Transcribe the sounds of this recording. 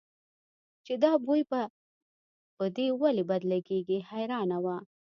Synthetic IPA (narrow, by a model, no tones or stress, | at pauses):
t͡ʃed̪ɑbujba | pəd̪ewalibad̪laɡeɡihajɾɑnawa